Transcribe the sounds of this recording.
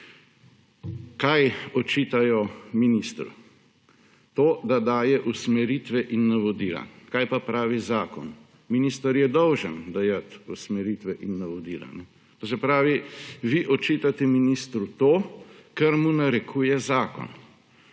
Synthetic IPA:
kajɔt͡ʃit̪ajɔminist̪ɾṵ | t̪oːd̪ad̪aːjɛʔusmɛɾit̪ʋɛʔinːaʋɔd̪iːla̰kajpapɾaːʋizaːkɔn | minist̪aɾjɛd̪ɔwʒənd̪ajat̪usmɛɾit̪ʋɛʔinːaʋɔd̪iːla̰nɛ | t̪oːsɛpɾaːʋiʋiʔɔt͡ʃit̪at̪ɛminist̪ɾut̪oːkɛɾmunaɾɛkʰuːjɛzaːkɔ̰n

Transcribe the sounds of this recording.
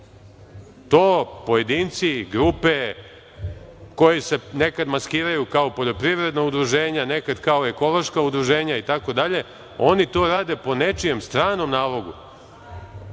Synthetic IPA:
t̪o̞ːpo̞je̞d̪iːnt̪siɡɾupe | ko̞jise̞ne̞kad̪maskiːɾajukaopo̞ʎo̞pɾivɾe̞d̪naud̪ɾuʒe̞ːɲane̞kad̪kao̞eko̞lˠo̞ʃkaud̪ɾuʒe̞ːɲait̪ako̞d̪aʎe̞ | o̞nit̪o̞ːɾaːd̪e̞po̞ne̞t͡ʃije̞mst̪ɾaːno̞mnaːlo̞ɡu

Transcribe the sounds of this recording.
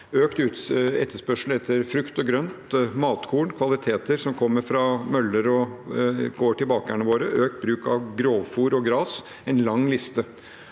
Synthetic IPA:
øːkt̪ʉːt̪ɛt̪ʰːəʂpœʂl̩ɛt̪ʰːəɾfɾʉkt̪ɔɡɾœnt̪mɑːt̪kʰuːɳkʰʋɑlɪt̪ʰeːt̪əɾsɔmkʰɔmːəɾfɾɑmœlːəɾɔ | ɡ̥oːʈɪlbɑːkəæɳəʋoːɾəʔøːkt̪̚bɾʉːkɑʋɡɾoːʋfuːɾɔɡɾɑːs | ɛnlɑŋːlɪst̪ə

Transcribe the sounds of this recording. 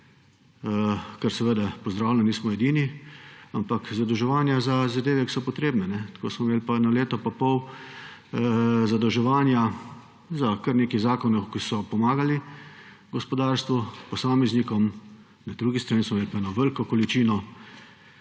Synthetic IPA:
kəɾsɛʋəd̪apɔzd̪ɾaːwlɛnniːsmɔed̪iːniampakzad̪ɔwʒɛʋaːnjazazad̪eːʋɛki̥sɔpɔt̪ɾeːbnɛnɛt̪ko̰ːsmɔmeːlipanaleːt̪ɔpapɔw | zad̪ɔwʒɛʋaːnja | zakəɾneːkizaːkɔnɔkisɔpɔmaːɡali | ɡɔspɔd̪aːɾst̪ʋupɔsaːmɛznikɔm | nad̪ɾuɡist̪ɾaniːsmɔmeːlpaɛnɔʋəlkɔkɔlit͡ʃiːnɔ

